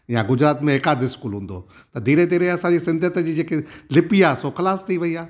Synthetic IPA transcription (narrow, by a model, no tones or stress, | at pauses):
jãɡʊd͡ʑɾaːt̪mẽɪkaːd̪ɪskuːlɦʊ̃ːnd̪o̰ː | t̪ɐd̪iːɾẽd̪iːɾẽɐsãːɲd͡ʒisɪ̃nd̪ʱət̪d͡ʑid͡ʒeːkelɪpijaːsokɐlaːst̪ʰiʋɐiaː